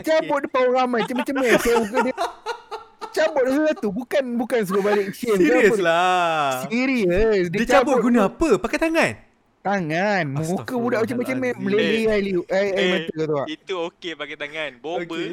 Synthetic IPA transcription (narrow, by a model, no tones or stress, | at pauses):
t͡ʃabʊt̪̚dəpawnɾamajt͡ʃamat͡ʃamːɛsŋukədi | t͡ʃabʊt̪̚hət̪ubukanbukans̬əɡobalɪkʃift͡ʃabɔlasiɾiəsdiit͡ʃabʊɡunaapəpakajt̪aŋãn | t̪aŋanməŋukəbudaʔmat͡ʃamat͡ʃamɛməleliajliajajmat̪əkət̪ua̰ʔit̪uokepakat̪aŋanboə